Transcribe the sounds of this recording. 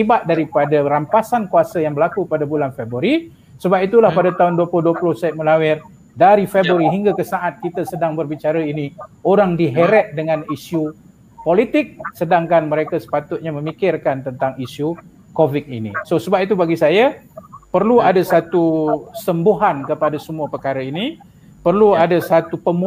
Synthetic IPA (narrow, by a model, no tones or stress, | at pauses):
ibat̪̚daɾipadaɾampasankuasajaŋbəɾlakupadabulanfebɾaɾi | səbap̚it̪ulahpadat̪aɦʊnduapulʊhduapulʊhsɛt̪̚məlawɛr | daɾifebɾoɾiɦiŋɡakəsaʔat̪̚kit̪asədaŋbərbit͡ʃaɾainioɾaŋdiɦeɾɛt̪̚dəŋãnisju | polit̪ɪk̚sədaŋkanməɾekasə̥pat̪ʊt̪̚ɲamə̃mikɪrkant̪ənt̪aŋisu | kovit̪̚ḭnḭsosəbap̚it̪̬ubaɡisajapərluadasat̪usəmbuɦankəpadasəmuapəkaɾaini | pərluadasat̪upəmu